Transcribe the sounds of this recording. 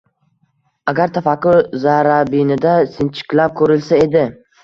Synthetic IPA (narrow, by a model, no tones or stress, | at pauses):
aɡʲaɾt̪ʰafakʊɾzaɾabinɪd̪asɪnt͡ʃʰɪ̥kʲlap̚kʰɵɾɪlsae̞d̪ɪ